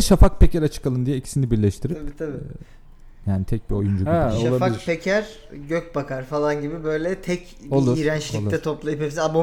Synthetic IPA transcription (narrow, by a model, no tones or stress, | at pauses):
ʃafak̚pʰecʰæɾat͡ʃʰɯ̥kalˠɯnd̪ijɛecʰi̥sinibiɾlʲɛʃt̪ʰiɾiabiːt̪ʰabi | jaːnit̪ʰɛc̚bio̞jund͡ʒubiʃlaabfaiiɾpʰecʰæɾ | ɟøc̚bakaɾfalˠanɟibibø̞jlʲɛt̪ʰɛc | olˠuɾiɾænt͡ʃlʲlc̪ˠʰɛt̪ʰo̞plˠajɯpepisiabo